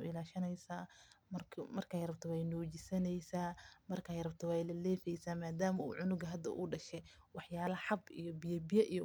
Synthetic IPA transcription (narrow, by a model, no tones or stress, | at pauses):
ʊ̰ɪlaːʃɐnɛjsaːmɐmɐrkʰaːjɾɐbt̪ʰɔwɛjnɔːt͡ʃɪsɐnɛjsaːmɐrkʰaːjɾɐbt̪ʰɔwɛjlɐlɛːfɛjsaːmaːd̪aːmɐṵːʕʊnʊɡɐɦɐd̪ɐ̰ʔṵːɖɐʃɛ | wɑħjaːlɐħɑbḭjɔbɪjɐbɪjɐʔij